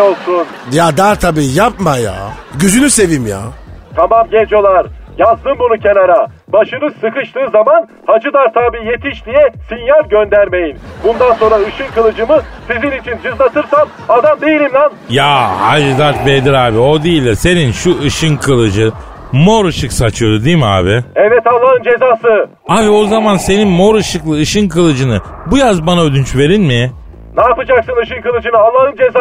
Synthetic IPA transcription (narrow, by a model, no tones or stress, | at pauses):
olˠsunjad̪aɾt̪ʰabiːjapmaja̰ːɟyzynyse̞vimja̰ːt̪ʰamamɟed͡ʒijo̞lˠaɾjazd̪ɯmbunucʰe̞naɾa | baʃɯnɯsɯkɯʃt̪ʰˠɯːzaman | had͡ʒɯd̪aɾt̪ʰaːbiːje̞t̪ʰiʃd̪ijɛsinjalʲɟønd̪æɾme̞jinbund̪anso̞nɾaɯʃɯnkɯlˠɯd͡ʒɯmɯ | sizinit͡ʃʰind͡ʒɯzlˠat̪ʰɯɾsam | ad̪amd̪ejilʲimlʲanjahaʒd̪aɾt̪bejd̪iɾaːbio̞d̪ijilʲd̪ʲɛse̞ninʃuɯʃɯnkʰɯlˠɯd͡ʒɯ | mo̞ɾɯʃɯksat͡ʃʰɯjo̞d̪ud̪ijmia̰ːbɪɛvɛt̪alˠːaɦɯnd͡ʒe̞zaːsɯ | aːbio̞zamanse̞ninmo̞ɾɯʃɯklˠɯɯʃɯnkʰɯlˠɯd͡ʒɯnɯbujazbanaød̪ynt͡ʃve̞ɾinmɪ | naːpɯd͡ʒaksɯnɯʃɯnkɯlˠɯd͡ʒɯnɯalˠːaɦhɯnd͡ʒeza